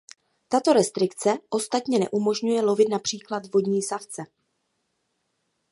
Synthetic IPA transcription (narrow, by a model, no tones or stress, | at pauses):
t̪at̪o̞ɾɛst̪ɾɪkt͡sɛʔo̞st̪at̪ɲɛnɛ̰ʔumo̞ʒɲujɛlo̞vɪt̪napr̝̥iːklad̪vo̞dɲiːsaft͡sɛ